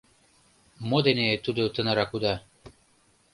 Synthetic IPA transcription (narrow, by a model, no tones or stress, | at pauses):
mod̪enʲet̪ud̪ot̪ɤ̆nɤɾɑkud̪ɑ